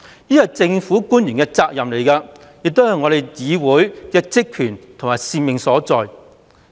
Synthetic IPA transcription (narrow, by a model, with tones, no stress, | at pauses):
jiː˥jɐ˨˧t͡sɪ˧ŋfuː˨˥kuː˥njy˨˩nkɛː˧t͡saː˧k̚jɐ˨˩mle˨˩jkaː˧ | jɪ˨k̚t̪o˥whɐ˨jŋɔː˨˧ɾe˨jt͡siː˨˧wuː˨˥jkɛː˧t͡sɪ˥kʰːyː˨˩nt̪ʰʊ˨˩ŋmaː˨˩jsiː˧mɪ˨ŋsɔː˨˥t͡sɔː˨j